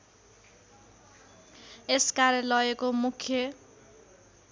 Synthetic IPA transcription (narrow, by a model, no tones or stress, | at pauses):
eskaɾjʌlʌekomukʰjʌ